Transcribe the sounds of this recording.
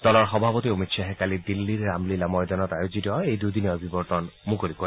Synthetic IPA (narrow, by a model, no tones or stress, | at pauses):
d̪̥ɔlɔɾxɔbʱabot̪iomit̪ʃaɦekalid̪ilːiɾːamlilamɔjd̪anɔt̪ajod͡ʑit̪ɔejd̪ujd̪ineɔbʱibɔɾt̪ɔnmukoɾikoɾ